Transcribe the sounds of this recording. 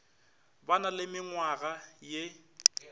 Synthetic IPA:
banalɪmɪŋwaɣaje

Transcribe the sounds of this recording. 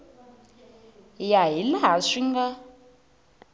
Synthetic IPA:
jaɦilaɦasiŋɡa

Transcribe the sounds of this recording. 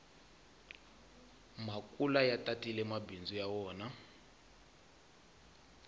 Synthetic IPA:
makʼulajatʼatʼilɛmabind͡zujawɔːna

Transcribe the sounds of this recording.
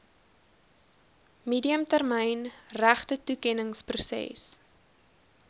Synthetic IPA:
miːdiəmtærməjnræχtətukɛnəŋsprusɛ̰s

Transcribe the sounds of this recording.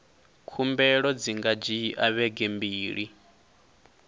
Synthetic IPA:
kʰumbɛɺɔd͡ziŋɡad͡ʒiʔaβɛɡɛmbiːɺi

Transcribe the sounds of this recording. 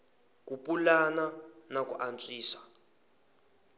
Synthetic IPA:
kupulana | nak̬ʼuʔant͡sʼiːsḁ

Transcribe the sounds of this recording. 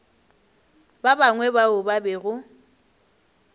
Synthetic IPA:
babaŋwɛbaʊbabɛɣʊ

